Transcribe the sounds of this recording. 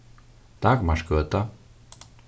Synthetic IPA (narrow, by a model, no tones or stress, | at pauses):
t̪aːɡmaʃkølt̪ɑ